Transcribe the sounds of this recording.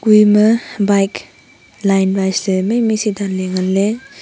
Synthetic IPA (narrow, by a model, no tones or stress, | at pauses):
ɡujmɐbajk | lajnbajslemejmisidanleŋanle